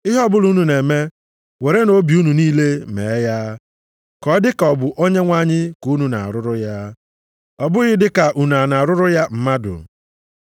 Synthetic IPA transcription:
ɪ˦ɦɔ˦bʊ˦lu˦nu˨ne˨me˦ | we˨ɾe˦no˦bi˨u˦nu˨niː˦le˦mḛ˨˦ja˦ | kɔ˦dɪ˦kɔ˨bʊ˨ʔo˦ɲe˦ŋʷa˦ɲɪ˦ku˨˦nu˨na̰˨a̰˨ɾʊ˦ɾʊ˦ja˦ | ɔ˨bʊ˦ɣɪ˦dɪ˦ka˨ʔu˨n˨a˨na˨ɾʊ˦ɾʊ˦ja˦m̩˦ma˦dʊ̰˨

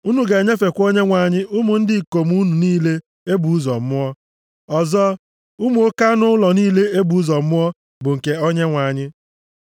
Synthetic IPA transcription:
u˦nu˨ɡe˨ɲe˦fe˨kʷo˦ɲe˦ŋʷa˨ɲɪ˦ʔu˦mu˨n̩˦dɪ˦˨ko˨m˦u˦nu˨niː˦le˦ | e˦bu˨u˦zɔ̰˨m̩˦mʊ˦ɔ˦ | ɔ˨zɔ˦ | u˦mu˨o˦ka˦nʊ˦ʊ˦lɔ˨niː˦le˦e˦bu˨u˦zɔ˨˦mʊ˦ɔ˦ | bʊ˨ŋ̩˨ke˨o˦ɲe˦ŋʷa˨ɲɪ˦

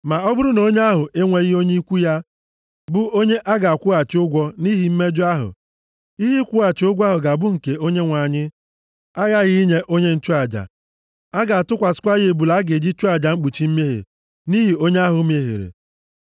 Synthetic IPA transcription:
ma˨ɔ˦bʊ˦ɾʊ˦no˦ɲe˦a˦ɦʊ˨ʔe˦ŋʷe˦ɣɪ˦o˦ɲe˦i˦kʷu˦ja˦ | bʊ˦o˦ɲe˦ʔa˦ɡa˨a˨kʷʊ˦a˨t͡ʃɪ˨˦ʊ˦ɡʷɔ˦ni˦ɦi˨m̩˦me˦d͡ʒʊ˦a˦ɦʊ̰˨ | i˦ɦi˦kʷu˦a˨t͡ʃɪ˨˦ʊ˦ɡʷa˦ɦʊ˨ɡa˨bʊ˦ŋ̩˨ke˨o˦ɲe˦ŋʷa˨ɲɪ˦ | a˦ɣa˦ɣɪ˦i˦ɲe˦ʔo˦ɲe˦n̩˦t͡ʃu˦a˨d͡ʒa̰˨ | a˦ɡa˨a˨tʊ˦kʷa˨sɪ̥˦kʷa˦ɣe˨e˨bu˨la˦ɡe˨d͡ʒi˦t͡ʃu˦a˨d͡ʒa˨ŋ͡m̩˦k͡pu˨t͡ʃi˦m̩˦m˦e˦ɦḛ˨ | ni˦ɦi˨o˦ɲe˦a˦ɦʊ˨˦m˦e˦ɦḛ˨ɾḛ˨

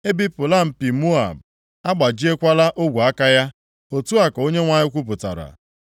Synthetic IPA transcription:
e˦bi˦pʊ˨la˦m̩˨pi˨mu˦a˨m̩˨ | a˦ɡ͡ba˨d͡ʒi˦e˦kʷa˦la˦ʔo˦ɡʷu˨a˦ka˦ja˦ | o˨tu˦a˨ko˦ɲe˦ŋʷa˦ɲɪ˦kʷu˦p̬ʊ˨ta̰˨ɾa̰˨

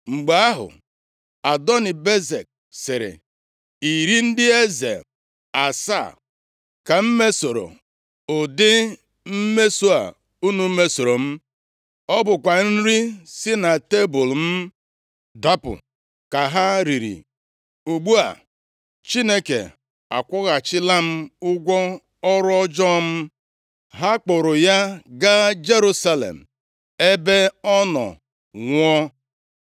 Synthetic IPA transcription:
ŋ͡m̩˨ɡ͡ba˨a˦ɦʊ̰˨ | a˨dɔ˦nɪ˨be˦ze˨k̚ | sɪ˨ɾɪ̰˨ | i˨ɾi˦n̩˦dɪ˦e˦zḛ˨ | a˨sa̰˦˨ | ka˨m̩˦me˦so˨ɾo̰˨ | ʊ˨dɪ˦ | m̩˦me˦su˦a̰˨ | u˦nu˨m̩˦me˦so˨ɾo˨m̩˦ | ɔ˦bʊ˨kʷa˨n̩˦ɾi˦sɪ˦na˨te˦bʊ˨lm̩˦ | da˦pʊ̰˨ | ka˨ɦa˦ɾi˨ɾḭ˨ | u˨ɡ͡bu˦a̰˨ | t͡ʃi˦ne˦kḛ˨ | a̰˨kʷʊ˦ɣa˨t͡ʃɪ˦la˦m̩˦ʊ˦ɡʷɔ˦ | ɔ˦ɾɔ˦d͡ʒɔ˦m̩˦ | ɦa˦k͡pʊ˨ɾʊ˨ja˦ɡa˦d͡ʒe˦ɾu˦sa˦lḛ˨m̩˨ | e˦be˦ɔ˦nɔ̰˨ | ŋʷɔ˦

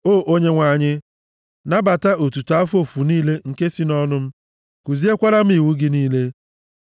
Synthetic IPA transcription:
oː˦˨ʔo˦ɲe˦ŋʷa˨ɲɪ˦ | na˦ba˨ta˦ʔo˨tu˨ta˦fo˨fu˨niː˦le˦ŋ̩˨ke˦si˦nɔ˦nʊ˦m̩˦ | ku˨zi˦e˦kʷa˦ɾa˦m̩˦i˨wu˦ɡɪ˦niː˦le˦

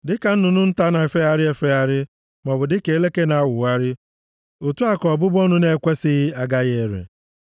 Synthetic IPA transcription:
dɪ˦ka˨n̩˦nʊ˨nʊ˦n̩˦ta˦na˨e˨fe˦a˦ɾɪ˦e˦fe˦a˦ɾɪ˦ | mɔ˨bʊ˨dɪ˦ke˨˦le˦ke˦na˨˦wʊ˨wa˦ɾɪ˦ | o˨tu˦a˦kɔ˨bʊ˦bɔ˦nʊ˦ne˦˨kʷe˦sɪ˦a˨ɡa˦ɣe˦˨ɾḛ˨

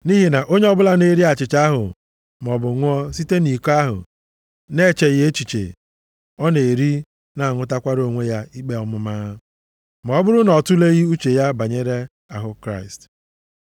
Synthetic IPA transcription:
ni˦ɦi˨na˨ʔo˦ɲe˦ɔ˦bʊ˦la˦ne˦ɾi˦a˨t͡ʃɪ˨t͡ʃa˦ɦʊ̰˨ | m˨ɔ˨bʊ˨ŋʷʊ˦ɔ˦si˦te˦ni˨ka˦ɦʊ̰˨ | ne˦˨t͡ʃe˨ɣe˦t͡ʃi˨t͡ʃḛ˨ | ɔ˦ne˨e˨ɾi˦ | na˨ŋʊ˦ta˦kʷa˦ɾo˨ŋʷe˦ja˦i˦k͡pe˦ɔ˦mʊ˦ma˦ | m˨ɔ˨˦bʊ˦ɾʊ˦nɔ˨tʊ˦le˦ɣi˦u˦t͡ʃe˨ja˦ba˨ɲe˦ɾe˦ | a˨ɦʊ˦kɾa˦ɪ˨st

